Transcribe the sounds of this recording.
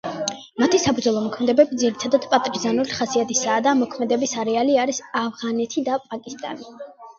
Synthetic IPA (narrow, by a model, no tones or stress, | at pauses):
mat̪ʰisapʰud̪zɔlˠɔmɔkʰmɛd̪ɛbɛbid̪ziɾit̪ʰad̪ad̪̥pʼat̪ʼɾizanuliχasiat̪ʰisaːd̪amɔkʰmɛd̪ɛbisaɾɛaliaɾisavʁanɛt̪ʰid̪apʼakʼist̪ʼa̰ni